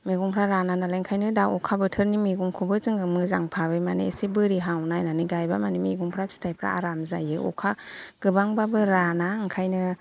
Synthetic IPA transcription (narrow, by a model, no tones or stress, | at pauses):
miɡuŋpʰɾaɾananalajŋkʰajnɯdawɔkʰabɯtʰɯɾnimiɡuŋkʰubɯzɯŋɯmɯzaŋpʰabɯmanesibɯɾiɦawnajnaniɡajbamanimiɡuŋpʰɾapʰi̥stʰajpʰɾa̰a̰ɾamzajɯɔ̰kʰaɡ̥ɯbaŋbabɯɾanaŋkʰajnɯ